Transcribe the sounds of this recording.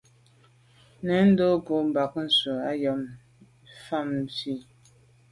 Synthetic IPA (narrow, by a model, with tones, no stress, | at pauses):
nɛ˨˦n̩˦do˦ɡo˨m˨ba˨kn̩˨sə˨a˦jɔ˨˦m | fa˦˨m˨ti˦